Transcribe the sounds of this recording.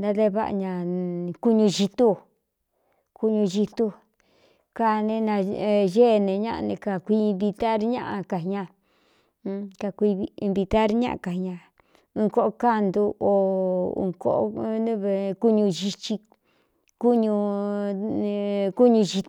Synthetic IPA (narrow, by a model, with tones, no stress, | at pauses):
nd̪a˦ðe˦βa˦˧ʔa̰˧ɲã˧ku˦ɲũ˧ʒi˧t̪u˦ | ku˧ɲũ˧ʒi˧t̪u˧ | ka˧nẽ˧nã˧ʒe˦˨nẽ˨˧ɲã̰˦˧nẽ˧ka˧˨kʷi˧mbi˧t̪a˦ɾɲã̰˦ʔa˧ka˨ɲã˧ | ka˧kʷi˧mbi˧t̪a˦ɾɲã̰˦ʔã̰˧˨ka˨ɲã˧ | ũ˧ko˦ʔo˧ka˦nd̪u˧ʔo˨ṵ˧ko˦ʔo̰˦nũ˦βe˧ku˦ɲũ˧ʒi˧t͡ʃi˧ | ku˦ɲũ˧ | ku˦ɲũ˧ʒi˧